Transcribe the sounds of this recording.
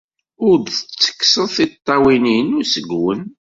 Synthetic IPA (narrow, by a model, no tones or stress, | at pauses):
ʊɾd̪θt͡sːə̥kːsəðθit̪ˤːɑwininʊsəɡwə̰n